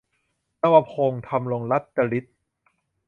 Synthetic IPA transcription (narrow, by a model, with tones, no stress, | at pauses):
na˧wa˧pʰoː˧ŋt̪ʰa˧mlo˧ŋla˦˥t̪̚t͡ɕa˧li˦˥t̪̚